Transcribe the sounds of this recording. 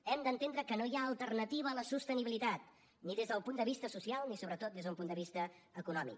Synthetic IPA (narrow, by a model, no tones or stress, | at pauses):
ɛmd̪ənt̪end̪ɾəkənojaəlˠt̪ərnət̪iβəːləsust̪əniβilit̪at̪̚ | niðezðəlˠpund̪əβist̪əsusialˠnisoβɾət̪ot̪d̪ezðəumpund̪əβist̪ə | əkunɔmḭk